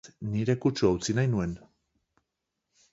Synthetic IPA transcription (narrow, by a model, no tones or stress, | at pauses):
niɾe̞kut͡ʃuawt͡sinajnue̞n